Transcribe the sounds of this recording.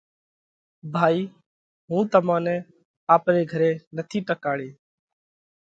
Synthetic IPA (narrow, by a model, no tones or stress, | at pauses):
bʱaːiː | ɦũːt̪əmãːnɛ̃ː | aːpɾeːɡʱəɾeːnət̪ʰiːʈəkaːɽeː